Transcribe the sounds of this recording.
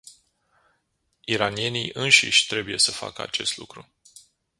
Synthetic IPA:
iɾanie̞niʔɨnʃḭʃʲt̪ɾe̞buje̞səfa̰kəa̰t͡ʃe̞st̪lukɾu

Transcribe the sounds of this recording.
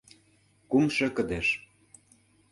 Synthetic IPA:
kumʃĕkə̆d̪eʃ

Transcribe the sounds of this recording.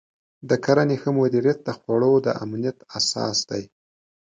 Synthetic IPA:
d̪əkʰaɾanexəmʊd̪iɾjat̪̚d̪əxwaɽod̪əʔa̰mnijat̪asɑ̰sd̪̥aj

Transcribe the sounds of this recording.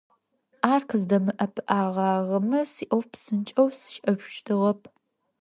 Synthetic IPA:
ʔaːrkʰɨzdɐmɨʔɐpʰɨʔaːʁɑːʁɐmɨsiːʔɐwpsɨnt͡ʃʼɐwsɨ̥ʃʔɐʒʃtʰɨʁɐpʰ

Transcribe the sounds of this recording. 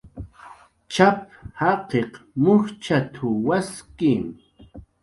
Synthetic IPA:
t͡ʃap̚hɑqeqmʊxt͡ʃat̪ʰʊwaskim

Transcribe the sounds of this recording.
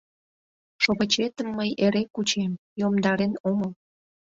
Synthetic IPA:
ʃoβət͡ɕet̪əmːəjeɾekut͡ɕem | jomd̪ɑɾenoməl

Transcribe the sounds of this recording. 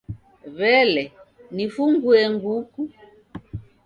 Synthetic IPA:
βɛlɛnifuŋɡuɛŋɡuku

